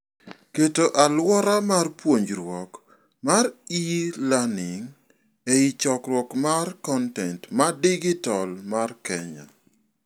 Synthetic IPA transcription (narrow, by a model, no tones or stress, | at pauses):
ketoʔalwɔɾamarpwoɲd͡ʒɾwɔk | maɾilanɪŋ | eɪt͡ʃɔkɾwɔkmarkɔntɛntmadiɡɪtɔlmarkɛɲa̰